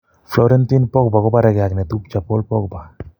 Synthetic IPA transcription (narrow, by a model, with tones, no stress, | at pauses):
flɔɾɛ˦nti˦npɔ˦k̚ba˨kɔ˦pa˦ɾɛ˦ɡa˨knɛ˨t̪u˦p̚t͡ʃa˨pɔ˦lpɔ˦k̚ba˨